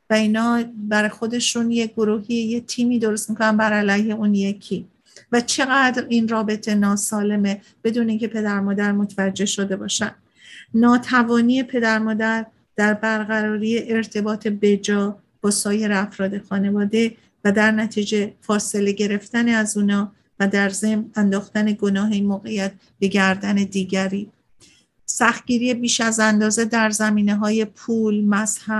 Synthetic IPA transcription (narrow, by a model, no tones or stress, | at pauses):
væiːnɒːbæɾɒxo̞d̪e̞ʃunje̞ɡoɾuːɦiejet̪ʰiːmiːd̪o̞ɾo̞st̪mikʰo̞nænbæɾælæjhe̞uːnjecʰiː | væt͡ʃʰe̞ɣæd̪ɾiːnrɒːbe̞t̪ʰe̞nɒːsɒːle̞me̞ | b̥e̞d̪uːneiŋcʰe̞pʰe̞d̪æɾmɒːd̪æɾmot̪ʰevæd͡ʒːe̞hʃo̞d̪e̞bɒːʃænd̪ | nɒːt̪ʰævɒːnije̞pʰe̞d̪æɾmɒːd̪æɾ | d̪̥æɾbæɾɣæɾɒːɾiːjeʔeɾt̪ʰe̞bɒːt̪ʰe̞be̞d͡ʒɒː | b̥ɒːsɒːje̞ɾeæfɾɒːd̪e̞xɒːne̞vɒːd̪e̞ | væd̪æɾnæt̪ʰiːd͡ʒe̞fɒːse̞le̞ɟe̞ɾe̞ft̪æneæzuːnɒː | væd̪æɾzemnænd̪ɒːxt̪æne̞ɡo̞nɒːɦemoːɣe̞jæt̪̚ | b̥e̞ɟæɾd̪æne̞d̪iːɟæɾiː | sæxt̪̚ɟiːɾije̞biːʃæzænd̪ɒːze̞d̪æɾzæmiːneɦɒːje̞pʰuːlmæzhæb̥